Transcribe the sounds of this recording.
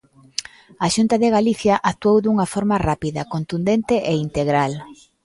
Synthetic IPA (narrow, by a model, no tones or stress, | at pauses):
aʃunt̪ɐðeɣaliθjɐʔat̪uowðuŋɐfɔɾmɐrapiðɐkont̪und̪ent̪ɪʔeint̪eɣɾal